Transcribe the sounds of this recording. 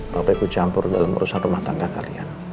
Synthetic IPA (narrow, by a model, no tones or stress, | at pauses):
papakut͡ʃampʊrdalamṵɾusanrumaht̪aŋɡakalia̰n